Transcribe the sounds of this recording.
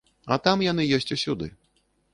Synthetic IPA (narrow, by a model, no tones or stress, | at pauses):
ɐt̪amjanɨjɔsʲt͡sʲusʲud̪ɨ̰